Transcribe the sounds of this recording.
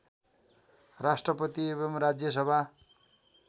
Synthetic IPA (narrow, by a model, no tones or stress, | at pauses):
rasʈrʌpʌt̪iebʌmrad͡zjʌs̬ʌbʱa